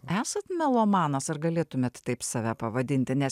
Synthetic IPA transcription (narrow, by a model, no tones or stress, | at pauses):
æːsɐt̪mʲɛlˠomɑːnɐsɐrɡɐlʲeːt̪ʊmʲeːt̪t̪ɐɪpsɑːʋʲæːpɐʋɐd̪ʲɪnʲt̪ʲɪnʲɛs